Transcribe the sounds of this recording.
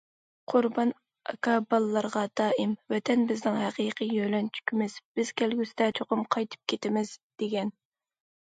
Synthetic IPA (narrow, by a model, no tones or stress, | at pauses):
qʰʊɾbɑn | ɑkɑbɑlˠlːˠɑɾʁɑd̪̥ɑːʔɪmvɛt̪ʰɛnbɪznɪŋhæqiːqʰijølɛnt͡ʃʰy̥kʲʰymɪz̥b̥ɪz̥kʲælɡʲysɪd̪ɛt͡ʃʰoqʊmqʰɑjt̪ʰɨ̥p̚kʲʰet̪ɪmɪz̥d̪̥eɡʲɛn